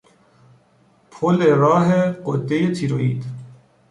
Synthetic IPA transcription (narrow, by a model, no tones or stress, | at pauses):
pʰoleɾɑːɦeqod̪ejet̪ʰiɾoḭːd̪